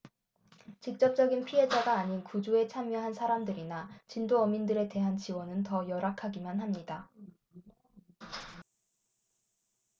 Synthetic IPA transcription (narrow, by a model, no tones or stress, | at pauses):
t͡ɕik̚t͡ɕ͈ʌp̚t͡ɕ͈ʌɡinpʰiɦe̞d͡ʑaɡaːɲinkud͡ʑue̞t͡ɕʰamjʌɦansʰaɾamdɯɾinat͡ɕindoʌmindɯɾe̞te̞ɦant͡ɕiwʌnɯntʌjʌɾakʰaɡimanɦamɲida